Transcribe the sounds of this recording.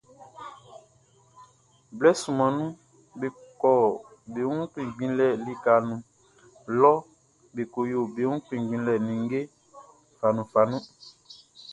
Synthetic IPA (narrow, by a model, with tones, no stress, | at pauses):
blɛ˦sũ˨mã˨nũ˦ | be˨kɔ˨be˨˦ũ˦k͡pĩ˨ɡ͡bĩ˨˦lɛ˨li˨ka˨nũ˨ | lɔ˦ | be˨ko˨jo˨be˨˦ũ˦k͡pĩ˨ɡ͡bĩ˨˦lɛ˨nĩ˨ŋ˦ɡe˦ | fa˨nũ˨fa˨nũ˦